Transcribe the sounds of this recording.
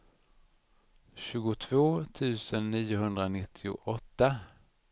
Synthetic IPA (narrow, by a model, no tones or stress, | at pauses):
ɕʉ̟ːɡʊt̪ʰvoːt̪ʰʉ̟ːsənːiːjʊɦɵnd̪ɾanɪt̪ʰːɪʊ̰ʔɔt̪ːa